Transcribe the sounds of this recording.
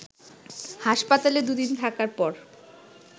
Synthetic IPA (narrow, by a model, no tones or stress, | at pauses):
haʃpat̪aled̪ud̪int̪ʰakaɾpɔɾ